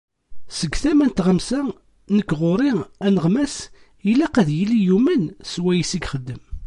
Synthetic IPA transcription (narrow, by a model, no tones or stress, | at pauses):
səɡθæmænt̪ʁəmsæ | nəkːʁoɾˤiænəʁmæs | ilæqæðjilijumænswæjisiɡχəd̪ːəm